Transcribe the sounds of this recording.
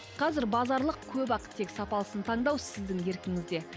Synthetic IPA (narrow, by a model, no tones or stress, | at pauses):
qʰɑzɪɾbɑzɑɾlˠəq̚kʲʰɵbɑqə̥t̪ʰːe̞ksɑpɑlˠəsənt̪ʰɑɴd̪ɑwsɪzd̪ɪŋje̞ɾkʲɪŋɪzd̪e̞